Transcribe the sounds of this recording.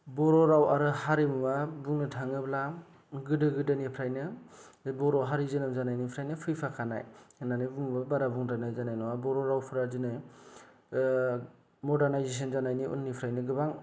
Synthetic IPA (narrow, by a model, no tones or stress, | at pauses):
bɔɾɔɾawaɾɯhaɾimɯmabuŋnɯtʰaŋɯbla | ɡɯdɯɡɯdanipʰɾajnɯ | bɔɾɔɦaɾizɯnɯmzanajnipʰɾajnɯpʰɯjpʰakʰana̰jɯnanɯbuŋmbabaɾabuŋdanajzanajnɔwabɔɾɔɾawpʰɯɾazɯnɯ | mɔdaɾnajzes̬ɔnzanajniṵnːipʰɾajnɯɡɯbaŋ